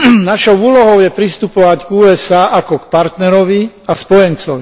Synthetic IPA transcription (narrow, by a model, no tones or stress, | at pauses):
naʃɔʊuːlɔɦɔʊjɛpɾist̪upɔʋaɟɡuːɛsaːʔakɔkpaɾt̪nɛɾɔʋi | aspɔjɛnt͡sɔʋi